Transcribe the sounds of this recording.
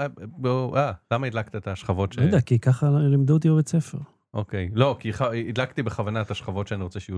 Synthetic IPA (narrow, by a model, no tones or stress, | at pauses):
aboʔalamaid̪lakt̪iet̪aʃχavo̞tʃjod̪eakikaχalimd̪uot̪ijovet͡sefe̞̰ʁ | ʔo̰kejlo̞kiχaid̪lakt̪ibeχavanaet̪aʃχavo̞tʃeaniʁot͡seʃeju